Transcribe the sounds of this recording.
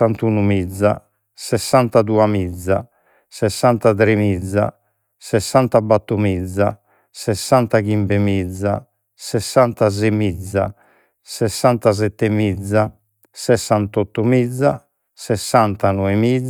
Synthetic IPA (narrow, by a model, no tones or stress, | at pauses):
ant̪unumid̪zːa̰ | sɛsːant̪ad̪uamid̪zːa | sɛsːant̪at̪ɾemid̪zːa̰ | sɛsːant̪abat̪ːumid̪zːa̰ | sɛsːant̪aɡimbemid̪zːa̰ | sɛsːant̪azemid̪zːa̰ | sɛsːant̪az̬ɛt̪ːemid̪zːa | sɛsːant̪ɔt̪ːumid̪zːa | sɛsːant̪anɔemid̪